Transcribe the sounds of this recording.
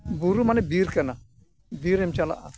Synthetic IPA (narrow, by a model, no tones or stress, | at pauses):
buɾumanebiːɾkɐna | biɾemt͡ʃala̰ʔa